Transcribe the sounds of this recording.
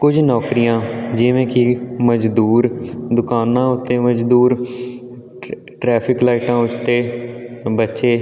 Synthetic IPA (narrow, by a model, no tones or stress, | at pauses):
kʊd͡ʒnɔːkɾijãːd͡ʒɪʋẽːkɪməd͡ʒd̪uːɾd̪ʊkaːnãːʊt̪ːeːməd͡ʒd̪uːɾ | ʈɾɛːpʰɪklaːɪʈãːʊt͡ʃt̪eːbətːʃeː